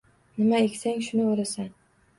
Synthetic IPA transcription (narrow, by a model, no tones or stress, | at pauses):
nɪmaekʲsaŋʃʊnɪbolasan